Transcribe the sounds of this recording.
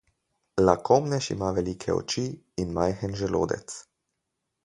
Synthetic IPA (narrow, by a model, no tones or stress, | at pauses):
lakomnɛʃḭmaːʋɛliːkʰɛ̰ɔ̰t͡ʃiː | nmajxənʒɛlo̰ːd̪ɛ̰t̪s